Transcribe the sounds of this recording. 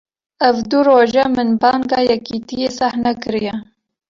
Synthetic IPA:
ɐvd̪uɾoːʒɛmɨnbɑːŋɡɑːjɛkiːt̪ijesahnɐkɨɾijɛ

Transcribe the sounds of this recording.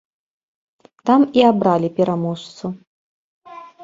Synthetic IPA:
t̪amiabɾalʲipʲɛɾʔamɔʂt̪su

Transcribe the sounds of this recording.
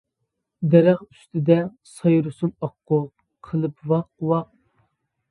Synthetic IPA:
d̪ɛɾæχy̥st̪ɪd̪ɛ | sɑjɾusunɑqːʊ | qʰəlˠɨpwɑqwɑq̚

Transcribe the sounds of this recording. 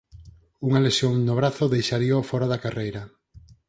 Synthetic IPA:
uŋalesjoŋnʊβɾaθʊðejʃaɾiofɔɾaðakarejɾɐ

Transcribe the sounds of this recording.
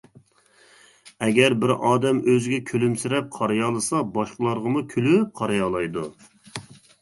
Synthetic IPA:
ɛɡʲɛɾbɪɾɑːd̪ɛmøzɪɡʲɛkʲʰølymsɪɾɛp̚qʰɑɾɑjɑːlˠɨsɑbɑʃqəlˠɑɾʁəmukʲʰylyp̚qʰɑɾɑjɑːlˠɑjd̪u

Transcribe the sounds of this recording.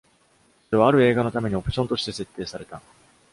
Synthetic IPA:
soɾe̞β̞aːɾɯ̟e̞ːɡano̞t̪ame̞ɲ̟io̞pɯ̟̥ɕõ̞nt̪o̞ɕi̥t̪e̞se̞t̪ːe̞ːsaɾe̞t̪a

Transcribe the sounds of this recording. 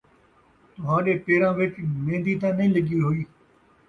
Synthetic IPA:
t̪ʊɦãːɗeːpeːɾãːʋɪt͡ʃmẽːnd̪iːt̪ãːnəĩːləɠiːɦoːiː

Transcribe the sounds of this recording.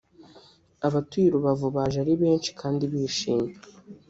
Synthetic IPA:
aβatuiɾuβavuβaʒaɾiβe̞ːnt͡ʃi̥kʰaːndiβiːʃiːme

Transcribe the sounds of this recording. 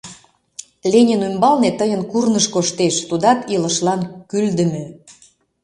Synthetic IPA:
lʲenʲenymbɑlnet̪əjənkurnəʃkoʃt̪eʃt̪ud̪ɑt̪ilə̆ʃlɑnkyld̪ə̆mø

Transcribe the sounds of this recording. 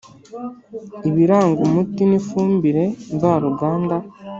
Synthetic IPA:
iβiɾaːŋɡumutinifuːmbiɾe̞ɱvaːɾuɡaːnda

